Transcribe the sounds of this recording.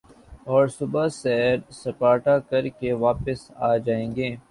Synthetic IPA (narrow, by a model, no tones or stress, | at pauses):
ɔːɾsʊbasɛːɾsɐpaːʈakɐɾkeʋaːpɪsa̰ːd͡ʒaːẽːŋɡeː